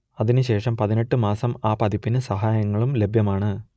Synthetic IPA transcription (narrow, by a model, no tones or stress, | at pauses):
ɐðinɨɕe̞ːʂɐmpɐðine̞ʈːɨmaːsɐmaːpɐðipːinɨsɐɦaːjɐŋːɐɭumle̞bʱjɐmaːɳɨ